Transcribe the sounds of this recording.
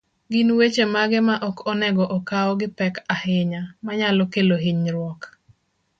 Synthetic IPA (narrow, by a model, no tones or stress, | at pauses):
ɡinwet͡ʃemaɡɛmaʔɔkɔnɛɡɔʔɔkaɔɡɪpɛkahɪɲamaɲalɔkeloɦiɲɾwɔk